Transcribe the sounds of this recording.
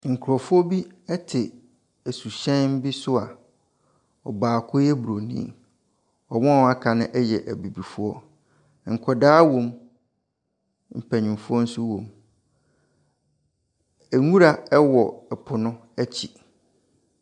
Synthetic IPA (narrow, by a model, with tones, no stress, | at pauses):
ŋ̩˨kʰʊ˨ɾɔ˨fʊ˦ɔ˦bi˦ɛ˦tʰɪ˨ | æ˨su˨ɕɛ̃˦nm˦bi˦sʊ˦a˨ | ɔ˨baː˨kʰʊ˦jɛ˦bɾo˨nḭ̃˦˨ | ɔ˨wɔ̃˦˨˦a˦kʰa˨nɪ̃˦ʔɛ˦jɛ˨ʔæ˨bi˨bi˨fu˦ɔ˦˨ | ŋ̩˨kʰɔ˨daː˦wõ˨m | m̩˨pʰæ˨ɲɪ̃˨mfʊ˦ɔ˦n̩˦sʊ˦wõ˨m | æ˨ŋũ˦ɾa˨ɛ˦wɔ˨ɛ˨pʰʊ˨nʊ̃˦ | æ˦t͡ɕʰi˨